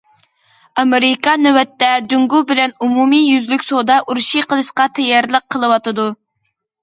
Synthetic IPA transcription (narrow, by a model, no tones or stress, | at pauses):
ɑmeɾɪkɑnɛwɛt̪ːɛd͡ʒ̪uŋɡubɪlɛnumumijyzlykʲsod̪ɑʔuɾʃiqʰəlˠɨʃqɑt̪ʰɛjɛɾlˠəq̚ʰːəlˠɨwɑt̪ɨd̪u